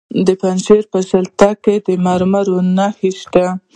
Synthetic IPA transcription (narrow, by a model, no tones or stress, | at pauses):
d̪əpanʃeɾpəsalt̪aked̪əmaɾmaɾonaxiʃt̪a